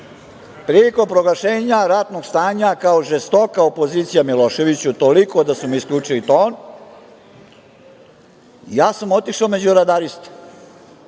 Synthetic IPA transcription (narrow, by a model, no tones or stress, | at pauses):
pɾiiko̞pɾo̞ɡlˠaʃeːɲaɾat̪no̞ɡst̪aːɲakaoʒest̪o̞kao̞po̞ziːt̪sijamilo̞ʃe̞ʋit͡ɕut̪o̞liko̞d̪asumiskʎuːt͡ʂilit̪oːn | jaːsamo̞t̪iʃaome̞d͡ʑuɾad̪aɾist̪